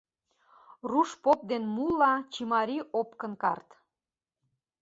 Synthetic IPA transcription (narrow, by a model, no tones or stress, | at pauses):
ruʃpop̚d̪enmulːɑt͡ɕimɑɾʲiʔopkə̆nkɑ̰rt̪